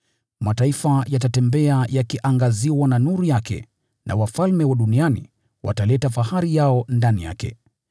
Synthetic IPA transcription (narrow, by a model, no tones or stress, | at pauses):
mataifajatatɛmbɛajakiʔaŋɡaziwananuɾujakɛ̰ | nʔa̰wafalmɛwaɗunianḭ | wʔa̰talɛtafaɦaɾijaɔndanija̰kɛ̰